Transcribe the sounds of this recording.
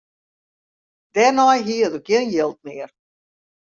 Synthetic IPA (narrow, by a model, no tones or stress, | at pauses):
d̥ɛnɔjɦiətokjiənjɪlˠt̚mɪər